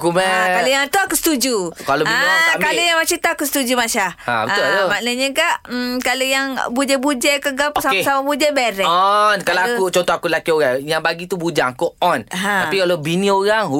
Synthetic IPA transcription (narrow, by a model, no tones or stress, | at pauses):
kumɛkaləjaŋt̪uakust̪ud͡ʒukaloikaləjaŋmat͡ʃit̪aakusə̥t̪ud͡ʒumaʃahhã̰bət̪uʔmaʔnəɲəkaʔ̩kalojaŋbud͡ʒɛbud͡ʒɛkəɡapsasamabud͡ʒɛbɛɾɛɔnkalaakut͡ʃɔnt̪ɔhakulakioɾaŋjaŋbaɡit̪ubud͡ʒaŋakuɔnɦat̪apikalobinĩoɾaŋu